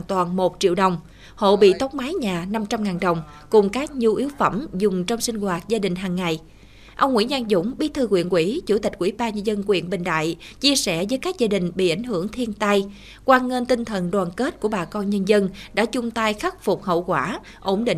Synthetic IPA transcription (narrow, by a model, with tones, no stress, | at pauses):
a˨nt̪waː˨˩nmo˨˩t̚t͡ɕḭ˧˨wɗə˨˩wŋ͡m | ho̰˧˨ɓḭ˧˨t̪ɔ˨˦wŋ͡m̚maː˨˦jɲaː˨˩na˧mt͡ɕa˧mŋaː˨˩nɗə˨˩wŋ͡m | kʊ˨˩ŋ͡mkaː˦˥k̚ɲi˧ʔi˨˦wfə˧˩mzʊ˨˩ŋ͡mt͡ɕŋ͡msï˧ŋ̟ɣwaː˨˩t̚zaː˧ɗï˨˩ŋ̟ɦaː˨˩ŋːa˨˩j | ʔə˧wŋ͡mŋwḭ˧˥ɲaː˧nzʊ̰˧˥ŋ͡mɓi˦˥t̪ʰɨ˧kwḭ˧˨ənkwḭ˧˩t͡ɕu˧˩t̪i˨˩k̟kwi˧˩˦ɓaː˧ɲə˧nzə˧nkwḭ˧˨ənɓï˨˩ŋ̟ɗa̰ː˧˨jt͡ɕi˧əsɛ˧˩vəː˨˦jkaː˦˥k̚zaː˧ɗï˨˩ŋ̟ɓḭ˧˨ʔa˧˩jŋ̟ɦɨ˧˩əŋt̪ʰi˧ənt̪a˧j | kwaː˧ŋə˧nt̪ï˧n̟t̪ʰə˨˩nɗwaː˨˩nke˦˥t̚ku˧˩əɓaː˨˩kɔ˧nɲə˧nzə˧nɗa̰ː˧˥t͡ɕʊ˧ŋ͡mt̪a˧jxa˦˥k̚fʊ˨˩k͡p̚hə̰˧˨wkwaː˧˩ | ʔo˧˩ŋ͡mɗḭ˧˨